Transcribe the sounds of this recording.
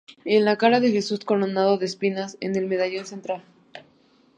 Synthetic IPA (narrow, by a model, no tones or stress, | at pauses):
enlakaɾaðe̞xe̞susko̞lonaðo̞ðespinasḛne̞lme̞ðaʝonse̞nt̪ɾal